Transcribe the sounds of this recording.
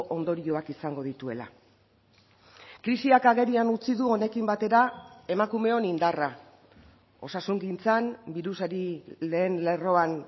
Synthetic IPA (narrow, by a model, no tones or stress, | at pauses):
ʔo̞nd̪o̞ɾio̞akisaŋɡo̞ð̞it̪ue̞̰la̰ | kɾisiakaɣe̞ɾianut͡siðuo̞ne̞kimbat̪e̞ɾae̞makume̞o̞nind̪ara | o̞sasuŋɡint͡sanbiɾusaɾile̞ːnle̞ro̞an